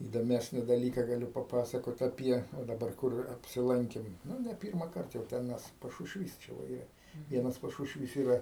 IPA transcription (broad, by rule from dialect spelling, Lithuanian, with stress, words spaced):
iːdoːˈmʲæːsʲnʲɪ dɐˈlʲiːkɐ ɡɐˈlʲʊ pɐˈpɑːsɐkoːt ɐˈpʲiɛ oː dɐˈbɐr ˈkʊr ɐpʲsʲɪˈlˠɐŋʲkʲɪm ˈnʊ nʲɛ ˈpʲiːrmɐkɐrt jɛʊ ˈtʲɛn mʲɛs pɐʃʊʃʲˈʋʲiːs t͡ʃʲɛ ʋɐ ˈiːrɐ ˈʋʲiɛnɐs pɐʃʊʃʲˈʋʲiːs ˈiːrɐ